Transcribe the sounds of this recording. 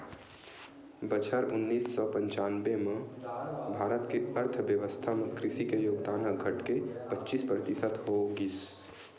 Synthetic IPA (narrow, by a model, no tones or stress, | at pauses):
bət͡ʃʰəɾʊnːiːsːɔpə̃ɲt͡ʃanbeme | bʱaːɾət̪keəɾt̪ʰbjəʋəst̪ʰamekɾɪsikejoːɡd̪aːnɦəɡʱəʈkepətːt͡ʃispɾət̪isət̪ɦoɡis